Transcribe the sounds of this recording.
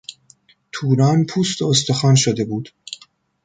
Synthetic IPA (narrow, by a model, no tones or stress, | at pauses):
t̪ʰuːɾɒːnpʰuːst̪oost̪exɒːnʃod̪e̞buːd̪̥